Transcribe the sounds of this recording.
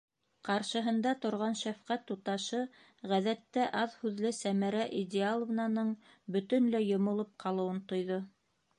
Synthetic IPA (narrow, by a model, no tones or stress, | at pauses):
qɑɾʃɤ̆ɦɤ̆nd̪ɑt̪ŏɾʁɑnʃæfqæt̪ːut̪ɑʃɤ | ʁæðæt̪ːæʔɑðhʉðlɘsæmæɾæʔid̪ʲealˠŏvnɑnɤɴ | bɵ̆t̪ɵnlæjŏmŏlˠɤp̚qʰɑlˠɤ̆wɤnt̪ŏjðo